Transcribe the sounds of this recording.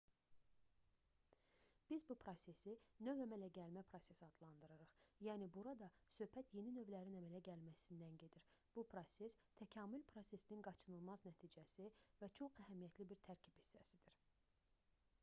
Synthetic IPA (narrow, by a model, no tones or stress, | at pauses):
b̥izbupʰɾo̞sʲe̞sinø̞væmælæɟælmæpʰɾo̞se̞sɑd̪lˠɑnd̪ɯɾɯɾɯχjæːnibuɾɑd̪ɑsø̞hpʰæt̪ʰje̞ninø̞vlæɾinæmælæɟælmæsind̪ænɟe̞d̪iɾb̥upʰɾo̞se̞st̪ʰæcʰɑːmylpʰɾo̞se̞sininɡɑt͡ʃʰɯnɯlˠmɑznæt̪ʰiːd͡ʒæsivæt͡ʃʰo̞χæɦæmijæt̪ʰlibiɾt̪ʰæɾcʰib̥hi̥sːæsid̪̥iɾ̥